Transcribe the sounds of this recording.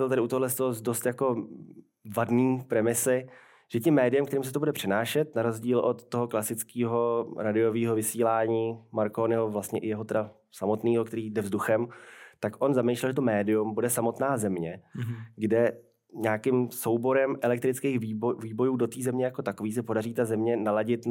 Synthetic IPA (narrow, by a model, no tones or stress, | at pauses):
ɛlt̪adɪut̪oɦlɛst̪oɦozdost̪jako̞ | vadniːpɾɛmɪsɪ | ʒ̥ɛcɛmːɛːdɪjɛmk̚t̪ɛɾiːmsɛt̪obudɛpr̝̥ɛnaːʃɛt̪naɾozɟiːlʔot̪ːo̞ɦo̞klasɪt͡skiːɦo̞ɾadɪo̞viːɦo̞vɪsiːlaːɲiːmaɾkonɪɦovlast̪ɲɛʔɪjɛɦot̪ɛda | samo̞t̪niːɦokt̪ɛɾiːdɛvzduxɛmt̪akʔo̞nzamejʃlɛlʒɛt̪o̞mɛːdɪjumbudɛsamo̞t̪naːzɛmɲɛɡdɛ | ɲaːkɪmso̞wbo̞ɾɛmʔɛlɛk̚t̪ɾɪt͡skejxviːbviːbo̞juːdot̪iːzɛmɲɛjako̞t̪ako̞viːs̬ɪpo̞dariːt̪azɛmɲɛnalaɟɪt̪